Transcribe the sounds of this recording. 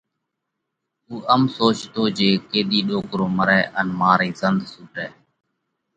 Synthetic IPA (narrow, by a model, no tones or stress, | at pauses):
uːʔəmsoːt͡ʃt̪oːd͡ʒeːkeːɗ̪iːɗoːkɾoːməɾɛːʔənmaːɾiːzənd̪suːʈɛː